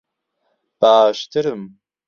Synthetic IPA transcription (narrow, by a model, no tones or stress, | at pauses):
b̥aːʃtʰɨɾɨm